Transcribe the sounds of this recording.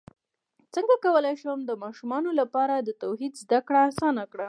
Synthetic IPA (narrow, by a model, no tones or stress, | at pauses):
t͡səŋɡakawəlajʃəwəmd̪əmɑʃumɑnolapɑɾad̪ət̪awɦid̪zd̪akɽaːsɑnakɽa